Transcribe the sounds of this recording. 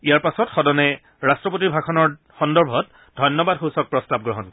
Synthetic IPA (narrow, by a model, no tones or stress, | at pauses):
ijaɹpasɔtxɔdɔnɛ | ɹastɹɔp̬ot̬ibʱakʰɔnɔɹ | xɔndɔɹbʱɔt̚ | dʱɔjnːɔbadxusɔk̚pɹɔstab̚ɡɹɔɦɔn